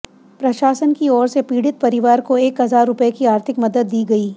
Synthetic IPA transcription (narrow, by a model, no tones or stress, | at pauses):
pɾɐʃaːsənkiɔːɾsepiːɽɪt̪̚pɐɾɪʋaːɾkoeːkɦɐzaːɾːʊpəekiaːɾt̪ʰɪkmɐd̪əd̪ːiːɡɐiː